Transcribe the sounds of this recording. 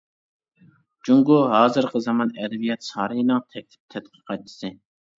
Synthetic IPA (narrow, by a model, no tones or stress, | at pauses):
d͡ʒuŋɡuɦɑːzɨɾqʰəzɑmɑnɛd̪ɛvijɛt̪sɑːɾɨjnɨŋt̪ʰɛk̚ʲlʰɪ̥p̚t̪ʰɛt̪qʰə̥qʰɑjt̪ʰːɨ̥sɨ